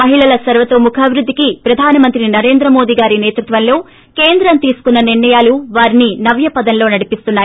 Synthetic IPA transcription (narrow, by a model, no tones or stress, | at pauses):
mɐɦiɭɐlɐsɐɾʋɐt̪oːmukʰaːbʱiɾud̪ʱːikipɾɐd̪ʱaːnɐmɐnt̪ɾinɐɾe̞ːnd̪ɾɐmo̞ːd̪iːɡaːɾineːt̪ɾut̪ʋɐnlo̞ː | ke̞ːnd̪ɾɐnt̪iːsu̥kunːɐniɾɳɐjaːluʋaːɾininɐʋjɐpɐd̪ɐnlo̞ːnɐɽipist̪unːaːji